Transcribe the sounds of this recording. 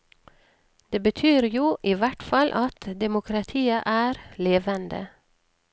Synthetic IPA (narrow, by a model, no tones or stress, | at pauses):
d̪̥eːbət̪ʰyːɾjuːʔiːʋæʈfɑlʔɑt̪d̪ɛmʊkʰɾɑt̪ʰiːəʔæːɾleːʋənd̪ə̰